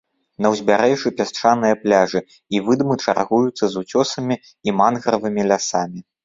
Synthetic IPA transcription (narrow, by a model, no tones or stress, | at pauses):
nɐwzʲbʲaɾɛʐɨpʲast͡ʂanɨjɐplʲaʐɨ | ivɨd̪mɨt͡ʂa̰rɣujut̪sːɐzut͡sʲɔsɐmʲiː | manɣɾɐvɨmʲilʲasamʲi